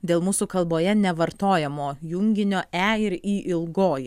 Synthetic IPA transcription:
d̪ʲeːlˠmuːsuːkɐlˠboːjɛnʲɛʋɐɾt̪oːjɛmoːjʊŋʲɡʲɪnʲoːʔæɪɾiːʔɪlˠɡoːj

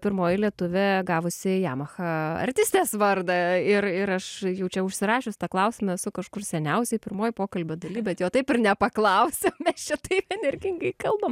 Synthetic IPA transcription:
pʲɪɾmoːjɪlʲiɛt̪ʊʋʲɛɡɑːʋʊsʲɪjæ̰ːmɐxɐɐ̰rʲt̪ʲɪsʲt̪ʲeːsʋɐrd̪ɐɪrɪɾɐʃjɛʊt͡ʃʲɛʊʃʲsʲɪɾɑːʃʲʊsʲt̪ɐklˠɐʊsʲɪmɐɛsʊkɐʃkʊrsʲɛnʲɛʊsʲɛɪpʲɪɾmoːjɪpoːkɐlʲbʲoːd̪ɐlʲiːbʲɛt̪joːt̪ɐɪpɪrnʲɛpɐklˠɐʊsʲemʲɛst͡ʃʲɛt̪ɐɪpɛnʲɛrʲɡʲɪŋɡɐɪkɐlˠbɐm

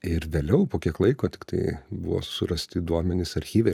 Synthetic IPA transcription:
ɪɾʋʲeːlʲɛʊpoːkʲiɛklˠɐɪkoːt̪ʲɪ̥kt̪ɐɪbʊʋo̰ːsʊɾɐsʲt̪ʲɪd̪uɔmʲɛnʲɪsɐɾʲxʲiːʋʲɛɪ

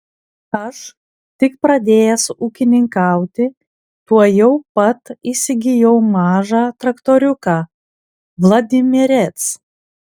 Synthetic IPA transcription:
ɐʃ | t̪ʲɪkpɾɐd̪ʲeːjɛsuːkʲɪnʲɪŋkɑˑʊt̪ʲɪ | t̪uɔjɛʊpɐt̪isʲɪɡʲɪjɛʊmɑːʒɑːt̪ɾɐkt̪oːɾʲʊkɑː | ʋlˠɐd̪ʲɪmʲɪɾʲɛt̪s

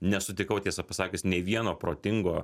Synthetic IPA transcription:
nʲɛsʊt̪ʲɪkɐʊt̪ʲiɛsɐpɐsɑːkʲɪsnʲeːʋʲiɛnoːpɾoːt̪ʲɪŋɡoː

